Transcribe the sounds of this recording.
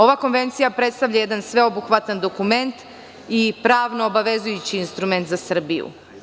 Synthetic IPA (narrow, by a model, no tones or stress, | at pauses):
o̞ʋako̞nʋe̞nt̪sijapɾet̪st̪aʋʎʲajed̪ansʋe̞obuxʋat̪and̪o̞kume̞nt̪ | ipɾaːʋnoːbaʋe̞zujut͡ɕiːnst̪ɾume̞nt̪zasr̩bijṵ